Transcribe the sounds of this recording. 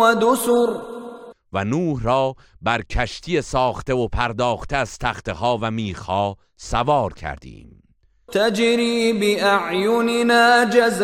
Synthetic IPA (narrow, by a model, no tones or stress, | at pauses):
ad̪ʊsʊɾ | vænuːhɾɒː | bæɾcʰæʃt̪ʰijesɒːχt̪eopʰæɾd̪ɒːχt̪ʰeæz̥t̪ʰæχt̪ʰehɒːvæmiːχhɒː | sævɒːɾcʲʰæ̰ɾd̪ḭːm | t̪ʰad͡ʒɾiːbɪʔaʕjʊnɪnaːd͡ʒaz